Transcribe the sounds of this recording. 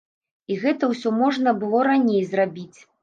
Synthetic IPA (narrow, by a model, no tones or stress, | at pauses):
iɣɛt̪ɐwsʲɔmɔʐnɐbɨlˠɔɾanʲejzrabʲit͡sʲ